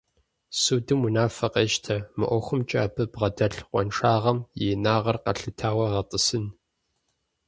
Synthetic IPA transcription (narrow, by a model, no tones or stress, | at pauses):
sudɨmunaːfɐqeʃtʰɐmɨ̰ʔʷɔxʷʊmt͡ʃʼa̰ːbɨbʁɐdɐɬqʷʼɔ̰nʂaːʁɐmjeːnaːʁɐrqɐɬɨtʰaːwɐʁɐtʼɨsɨn